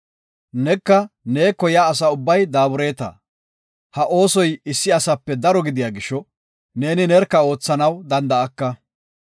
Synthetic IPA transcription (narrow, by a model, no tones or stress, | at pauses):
nɛkːɐneːkːɔjaːs̬ɐʊbːɐjd̪aːbʊɾe̞ːt̪ɐ̰ | hɐʔo̞ːsɔjɪsːɪɐsɐpːɛd̪ɐɾɔɡɪd̪ɪjaːɡɪʃːɔ | ne̞ːnɪnɛɾkːɐo̞ːt͡sːɐnɐwd̪ɐnd̪ɐɐkːɐ